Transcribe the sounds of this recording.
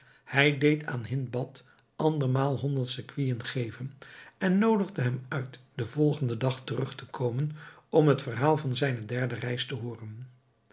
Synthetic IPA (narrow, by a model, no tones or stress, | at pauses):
hɛjdejtʰa̰ːnɦɪnbɑt | ɑndəɹmaːlˠɦɔndəɹtsəkʋijənχejvənɛnːowdəʁdəɦɛmœɥtd̥əvɔlˠχəndədɑχtərɵχtəkʰowmən | ɔmɦətfərɦaːlˠvɑnzɛjnədɛɹdərɛjstəɦʊːrən